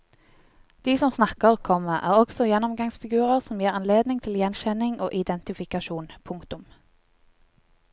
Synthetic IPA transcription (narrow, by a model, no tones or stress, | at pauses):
d̪̥iːsɔmsnɑkəʁkʰɔməʔæːʁɔɡ̥sɔjɛnɔmɡɑŋsfɪɡʉːʁəʁsɔmjiːʁɑnleːd̪nɪŋt̪ʰɪljɛnʃɛnɪŋoːʔɪd̪ɛnt̪ɪfɪkɑʃuːnpʰʊŋkt̪ʊm